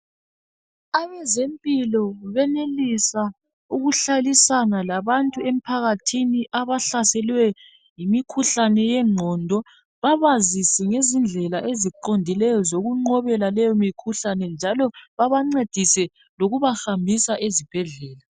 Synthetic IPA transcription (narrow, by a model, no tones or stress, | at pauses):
aβɛzempʼilɔβɛnelisa | uɣuɬalisanalaβantʼuem̩pʰaɣatʰiniʔaβaɬasɛlwɛ | jimikʰuɬanɛjɛŋ͡ǃʱɔːndʱɔ | βaβazisɛŋezind͡ɮʱɛlaʔeziǃondʱilɛjɔzoɣuŋ͡ǃɔβɛlalɛjɔmikʰuɬanɛnd͡ʒʱalɔβaβaŋ͡ǀed̥ʱisɛ | loɣuβahambʱisaʔezib̥ʱɛɮɛːla